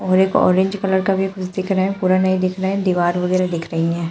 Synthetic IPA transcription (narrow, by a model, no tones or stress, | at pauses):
ɔːɾeko̰ʔɔ̰ːɾẽɲd͡ʒkɐləɾkabʱikʰʊt͡ʃʰd̪ɪkʰɾɐɦɛ̃puːɾanɐid̪ɪkʰɾɐɦɛ̃d̪iːʋaːɾɦoːɡelad̪ɪkʰɾəɦĩɦɛ̃ː